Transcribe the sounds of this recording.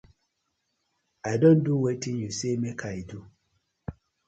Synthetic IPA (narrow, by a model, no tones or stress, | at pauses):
ajdõnduwetĩnjusemekʰaidu